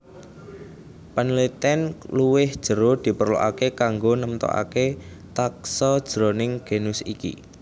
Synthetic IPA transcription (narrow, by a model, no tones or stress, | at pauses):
pənlit̪ɛnluwɪhd̥ʒ̥ə̤ɾod̪̥i̤pərlo̰ʔakekaŋɡonəmt̪ɔ̰ʔa̰ke | t̪ak̚sɔd̥ʒ̥ɾonɪŋɡ̥e̤nʊsikḭ